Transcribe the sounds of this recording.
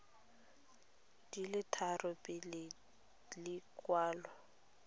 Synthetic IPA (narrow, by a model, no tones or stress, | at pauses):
d̥ilɪtʰarɔpʼɪlɪ | lɪkwaːlɔ